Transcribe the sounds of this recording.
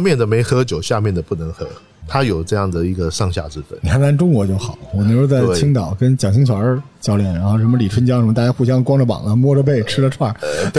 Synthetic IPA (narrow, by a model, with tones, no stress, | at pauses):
mjɛ˥˩nd̪ə˩me˧˥ɪxɤ˧˥t͡ɕjo˨˩ʊɕja˥˧mjɛ˥˩nd̪ə˩pu˥˩nə˧˥ŋxɤ˧˥ | t̪ʰa˥jo˨˩ʊʈ͡ʂɤ˥˧jɑ˥˩ŋd̪ə˩i˧˥ɡə˧ʂɑ˥˧ŋɕja̰˥˧t͡sɻ̩˥fə̰˧˩˦ni˨˩xʰa˥nʰa˥˩nʈ͡ʂʊ˥ŋwɔ˧˥t͡ɕjo˥˩ʊxɑ˨˩˦ʊwɔ˨˩ni˧˥ʂo˥˧t͡sa˥˩ɪt͡ɕʰi˥ŋt̪ɑ˨˩ʊkə˥nt͡ɕjɑ˨˩ŋɕ̬i˥ŋɕjɑ˨˩ʊə˞˧˥˧t͡ɕjɑ˥ʊljɛ˨˥˩nɻa˧˥nxo˥˩ʊʂ̬ə˧˥mə˧li˨˩ʈ͡ʂʰwə˥nt͡ɕjɑ˥ŋʂə˧˥mə˧t̪a˥˧˩t͡ɕja˥xu˥˩ɕ̬jɑ˥ŋkwɑ˥ŋʈ͡ʂə˨pɑ̰˨˩ŋlə˦mwɔ˥ʈ͡ʂə˧p̬e˥˩ɪʈ͡ʂʰɻ̩˥lə˨˧ʈ͡ʂʰwa˥˩